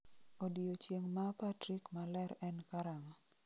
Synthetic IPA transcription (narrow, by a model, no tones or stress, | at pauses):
odiot͡ʃjeŋmapatɾikmalɛɾɛnkaɾaŋɔ